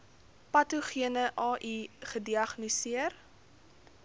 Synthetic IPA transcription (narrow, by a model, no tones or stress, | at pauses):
pɐtuχiənəʔɑːʔiχədiɐχnisiər